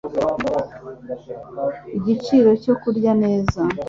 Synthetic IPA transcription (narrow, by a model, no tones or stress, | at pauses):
iɟit͡ʃiːɾo̞co̞kuɾɟane̞ːza